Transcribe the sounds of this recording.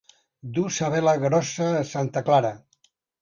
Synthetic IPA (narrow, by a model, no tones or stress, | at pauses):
d̪usaβɛləɣɾɔsəːsant̪əklaɾə